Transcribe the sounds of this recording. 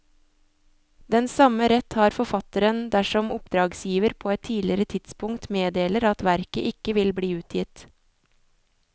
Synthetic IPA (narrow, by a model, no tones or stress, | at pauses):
d̪ɛnsɑməɾɛt̪hɑːɾfɔfɑt̪əɾənd̪æʃɔmʊpd̪ɾɑːɡsjiːʋəɾpʰoːɛt̪ʰːiːlɪɾət̪ʰɪt̪spʊŋt̪meːd̪eːləɾɑt̪ʋæɾkə̰ʔɪkəʋɪlbɽiːʉːt̪ʰjɪt̪